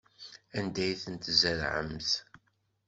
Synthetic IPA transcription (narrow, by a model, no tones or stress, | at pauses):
ænd̪æjθənt̪zæɾʕə̰mθ